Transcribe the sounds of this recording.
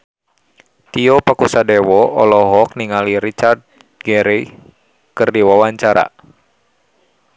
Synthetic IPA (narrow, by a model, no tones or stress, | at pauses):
t̪iɔpakusadɛwɔɔlɔɦɔk̚niŋaliɾit͡ʃard̪̚ | ɡɛɾi | kɨrdiwawaɲt͡ʃaɾa̰